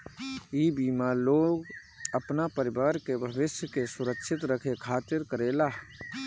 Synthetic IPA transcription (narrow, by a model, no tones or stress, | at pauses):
iːbimaloːɡ | əpnapəɾɪbaːɾkebʱəbɪʃjəkesʊɾəkʃʰɪt̪ɾəkʰekʰaːt̪ɪɾkəɾeːlaɦ